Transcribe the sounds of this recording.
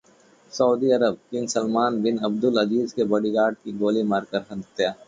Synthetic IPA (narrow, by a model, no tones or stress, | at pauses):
sɐːd̪iɐɾəb̚kɪ̃nsɐlmaːnbɪnɐb̚d̪ʊlɐziːzkebɐɽiɡaːɖ̚kiɡoːlimaːɾkəɾɦɐt̪jaː